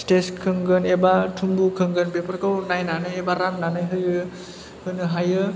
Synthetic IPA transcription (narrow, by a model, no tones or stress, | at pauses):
steskʰɯŋɡɯnebatʰumbukʰɯŋɡɯnbepʰaɾkɯwnajnanɯjebaɾamnanɯjɦɯjɯ | hɯnɯɦajɯ